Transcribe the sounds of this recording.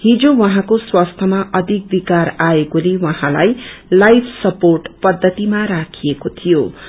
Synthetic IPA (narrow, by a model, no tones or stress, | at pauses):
ɦĩd͡zowʌɦãkoswast̪ʰʌmaʔʌd̪ʱik̚bikaɾaekolewʌɦãlajlajpʰsʌporʈpʌd̪ʱːʌt̪imaɾakʰijekot̪ʰijo